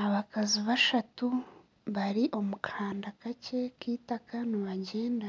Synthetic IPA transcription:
aβakaziβaʃatu | βaɾiʔo̞mukʰaːndakace̞kiːtakaniβaɟe̞ːnda

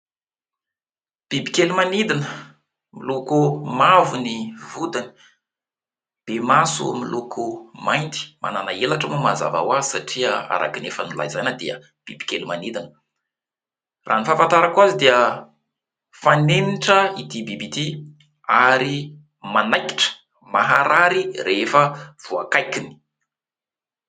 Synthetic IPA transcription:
b̥ibikelumanid̪inə | milukumavunivud̪ani̥ | b̥emasṵmilʔukʰumajnt̪i̥ma̰nanaelaʈ͡ʂamumaza̰va̰wazisaʈ͡ʂiəa̰ɾʔa̰kinefənula̰izajnəd̪eə | b̥ibi̥kelimanid̪anə̥ | rʔa̰nifafant̪aɾakuazid̪eə | faneniʈ͡ʂəid̪ibibit̪i | aɾi | manajki̥ʈ͡ʂə̥ | maɦaɾaɾirefəv̥uakajkini̥

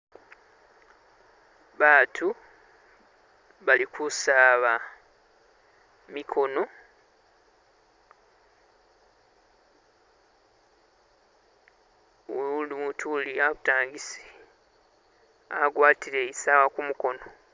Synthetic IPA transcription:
βaːtʰu | βalikʰusaːβa | mikʰo̞no̞ | limutʰuliaβutaːŋɡisi̥ | a̰ɡwaːtiɾe̞isawakumuko̞no

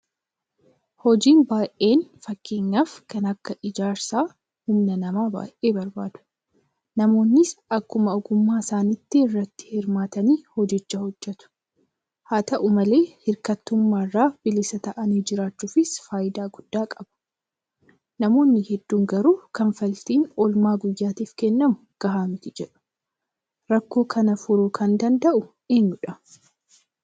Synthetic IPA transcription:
hɔd͡ʒiːnbaːʔʔe̞ːnfɐkːeːɲːaːfkːɐnɐkːɐʔɪd͡ʒaːɾsaː | hʊmnɐnɐmaːba̰ːʔʔeːbɐɾbaːd̪̥ʊ̥ | nɐmo̞ːnːɪsɐkːʊmɐɔɡʊmːaːsaːnɪt̪ːɪɪrːɐt̪ːɪ̥hɪɾmaːt̪ɐniːhɔd͡ʒɛt͡ʃːɐhɔd͡ʒːɛt̪ʊ̥ | haːt̪ɐʔʊmɐle̞ːhɪɾkɐt̪ːʊmːaːrːaːb̥ɪlɪsɐt̪ɐʔɐniːd͡ʒɪɾaːt͡ʃːuːfɪsfaːjɪd̪aːɡʊd̪̥ːaːkʼɐbɐ̥ | nɐmo̞ːnːɪhɛd̪ːuːŋɡɐɾuːkɐnfɐlt̪iːnɔlmaːɡʊjːaːt̪iːfkɛnːɐmʊɡ̥ɐɦaːmɪt̪ɪd͡ʒɛᶑʊ̥ | ɾɐkːo̞ːkʰɐnɐfʊɾʊkʰɐnd̪ɐnd̪ɐʔʊ | eːɲːʊᶑɐ

